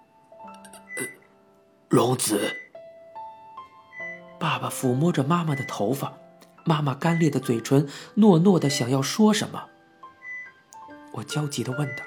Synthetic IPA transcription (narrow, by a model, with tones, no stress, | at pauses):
lʊ˧˥ŋt͡sɹ̩˨˩˦ | pa˥˩ba˨˩fu˨˩mwɔ˥ʈ͡ʂə˨ma˥ma˨d̪ə˩t̪ʰo˧˥ʊfa˨˩˦ | ma˥ma˨˩ka˥nljɛ˥˩d̪ə˩t͡swe˨˩ɪʈ͡ʂʰwə˧˥nnwɔ˥˧nwɔ˥˩d̪ə˩ɕjɑ˨˩ŋjɑ˥˩ʊʂwɔ˥ʂə̰˧˥nmə̰˨ | wʔɔ˨˩t͡ɕjɑ˥ʊt͡ɕi˧˥d̪ə˧wə˥˩nd̪ə˩